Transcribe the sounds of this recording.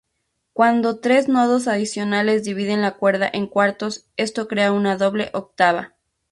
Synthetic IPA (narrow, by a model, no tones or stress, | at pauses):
kwand̪o̞t̪ɾe̞znoðos̬aðisjo̞nale̞zd̪iβið̞e̞nlakwe̞ɾða̰ʔeŋkwaɾt̪o̞s | e̞st̪o̞kɾeaunaðo̞βle̞̰ʔok̚t̪aβ̞a̰